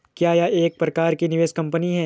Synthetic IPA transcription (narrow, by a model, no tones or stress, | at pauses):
kjaːjaʔeːk̚pɾɐkaːɾkinɪʋeːskɐ̃mpəniɦɛː